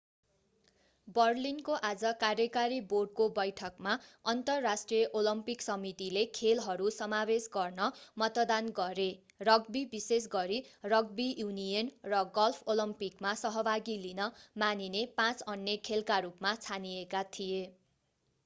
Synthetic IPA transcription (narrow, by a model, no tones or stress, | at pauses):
bʌrlinkoʔad͡zʌkarjʌkaɾiborɖ̚kobʌjʈʰʌkmaʌnt̪ʌrːasʈrijʌʔolʌmpiksʌmit̪ilekʰelɦʌɾusʌmabesɡʌrnʌmʌt̪d̪anɡʌɾe | rʌɡbibises̬ɡʌɾirʌɡbiunijʌnrʌɡʌlpʰolʌmpikmasʌɦʌbʱaɡilinʌmaninepãt͡sʌnjʌkʰelkaɾupmat͡sʰanijekat̪ʰije